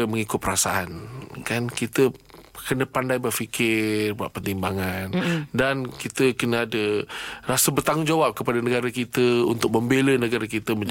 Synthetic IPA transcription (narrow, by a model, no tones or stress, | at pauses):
əməŋikʊt̪̚pəɾasa̰ʔankankit̪əkənə̃pandajbəfikʰɪrbua̰ʔ̪̚pət̪imbaŋandankit̪əkənə̃adərasəbərt̪aŋʊŋd͡ʒawap̚kəpadanə̃ɡaɾakit̪əṵnt̪ʊk̚mə̃mbelənəɡaɾakit̪əməɲd͡ʒ